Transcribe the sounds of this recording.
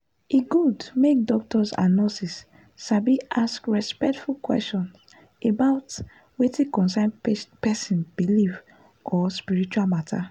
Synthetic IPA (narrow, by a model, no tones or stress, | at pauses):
eɡudmek̚dɔk̚tɔsa̰nɔ̃sis | ʃabiʔaskɹɛspɛk̚tfulkwɛ̰stɔ̃n | ebaʊt | wetĩkɔ̃ns̬ãnpɛsĩnbiliv | ɔspiɹit͡ʃualmatʰa̰